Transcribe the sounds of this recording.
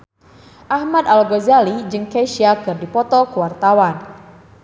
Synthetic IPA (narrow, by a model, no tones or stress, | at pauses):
ʔahmad̪alɔɡɔzalid͡ʒɨŋkeʃiakɨrdipɔt̪ɔkəwart̪awan